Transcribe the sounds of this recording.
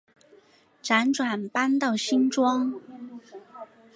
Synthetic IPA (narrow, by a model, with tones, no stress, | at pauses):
ʈ͡ʂa˧˥nʈ͡ʂwa˨˩npa˥nt̪ɑ˥˩ʊɕi˥nʈ͡ʂwɑ˥ŋ